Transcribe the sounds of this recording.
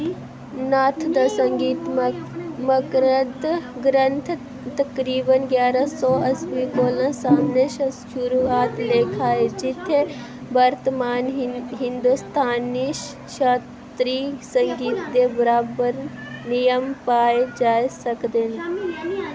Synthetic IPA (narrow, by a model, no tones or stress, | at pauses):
naːt̪ʰd̪ɐsəŋɡiːt̪mməkɾət̪ɡɾə̃nt̪ʰ | t̪ɐkɾiːbənɡʲjaːɾasɔːɐsʋikoːlə̃saːmneʃʃuɾuaːt̪leːkʰaːed͡ʒit̪ʰːe | bəɾt̪əmaːnɦɪnd̪ust̪ʰaːniʃ | ʃa | t̪ɾisəŋɡiːt̪d̪ebəɾaːbəɾnijəmpaːed͡ʒaːesɐkd̪en